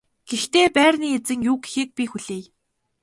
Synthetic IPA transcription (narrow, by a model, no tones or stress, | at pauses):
ɡ̥ext̪eːpæːrniːet͡sɘ̆ŋjuːɡxiːk̚pʲixuɮeːj